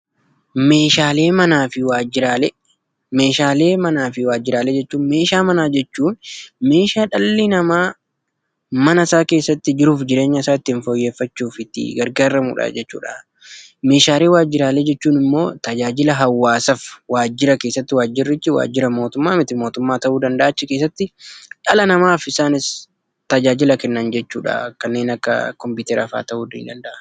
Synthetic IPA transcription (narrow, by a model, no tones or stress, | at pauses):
meːʃaːle̞ːmɐnaːfɪwaːd͡ʒɪɾaːlɛ | me̞ːʃaːle̞ːmɐnaːfɪwaːd͡ʒːɪɾaːlɛd͡ʒɛt͡ʃːuːnme̞ːʃaːmɐnaːd͡ʒɛt͡ʃːuːnme̞ːʃaːᶑɐlːɪnɐmaː | mɐnɐsaːke̞ːsːɐt̪ːɪd͡ʒɪɾuːfd͡ʒɪɾe̞ːɲːɐɪsaːɪt̪ːɪːnfɔjːe̞ːfːɐt͡ʃːuːfɪt̪ːɪ̰ɡɐɾɡaːɾɐmṵːᶑa̰ːd͡ʒɛt͡ʃːṵːᶑa̰ | meːʃaːɾeːwaːd͡ʒːɪɾaːleːd͡ʒɛt͡ʃːuːnɪmːo̞ːt̪ɐd͡ʒaːd͡ʒɪlɐɦɐwːaːsɐfwaːd͡ʒːɪɾɐke̞ːsːɐt̪ːɪwaːd͡ʒːɪrːɪt͡ʃːɪwa̰ːd͡ʒːɪɾɐmo̞ːt̪ʊmːaːmɪt̪ɪmo̞ːt̪ʊmːaːt̪ɐʔuːd̪ɐnd̪ɐʔaːt͡ʃːɪkeːs̬ːɐt̪ːɪᶑɐlɐnɐmaːfɪsaːnɪs | t̪ɐd͡ʒaːd͡ʒɪlɐkɛnːɐnd͡ʒɛt͡ʃːuːᶑa̰kɐnːe̞ːnɐkːɐ̰kɔmpɪʊːt̪ɛɾaːfa̰ːt̪ɐʔuːd̪ḭːnd̪ɐnd̪ɐʔɐ